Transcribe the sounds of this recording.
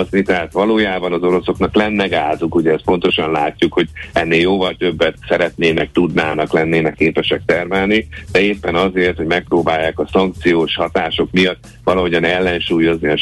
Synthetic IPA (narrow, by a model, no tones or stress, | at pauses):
znit̪ɛɦaːt̪ʋɒloːjaːbɒnɒzo̞ɾo̞so̞knɒklɛnːɛɡaːzukuɟɛɛst̪po̞n̪t̪o̞ʃɒnlaːcːukho̞ɟɛnːeːljoːvɒlt̪ø̞bːɛt̪sɛɾɛt̪neːnɛk̚t̪ud̪naːnɒklɛnːeːnɛkːeːpɛʃɛk̚t̪ɛrmɛlnid̪̥ɛeːpːɛnɒzeːrt̪ho̞ɟmɛk̚proːbaːjːaːkɒsɒŋk̚t̪sijoːʃhɒt̪aːʃo̞kmijɒt̪ː | ʋɒlɒɦo̞ɟɒnɛlːɛnʃuːjo̞zniɒ